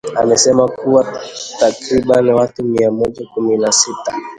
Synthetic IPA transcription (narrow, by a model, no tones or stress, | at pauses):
a̰mɛsɛmakuwatakɾiɓanwatumiamɔʄakuminasita